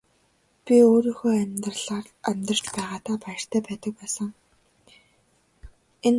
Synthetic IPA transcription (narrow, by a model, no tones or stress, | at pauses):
pʲioːɾiːŋxoːæmʲrɮaːr | æmʲt̪rə̥̆t͡ɕpæːʁaːt̪aːpajɪ̆r̥t̪ʰæːpæːt̪ə̆k̚pæːsə̆ŋ | en